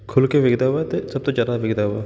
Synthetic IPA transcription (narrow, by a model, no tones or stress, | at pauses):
kʰʊlkeʋɪɡd̪aɦat̪esɐb̚t̪od͡ʒaːɾaʋɪɡd̪aɦa